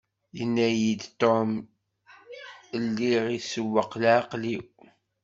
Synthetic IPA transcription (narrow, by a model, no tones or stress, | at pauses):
jənːæjid̪t̪om | əlːiʁisəwːəqlʕaqliw